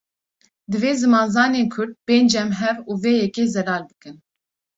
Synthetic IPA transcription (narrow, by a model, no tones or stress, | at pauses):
d̪ɨveːzɨmɑːnzɑːneːnkʰʊɾd̪̚beːnd͡ʒɛmɦɛvuːveːjɛkeːzɛlɑːlbɨkɨn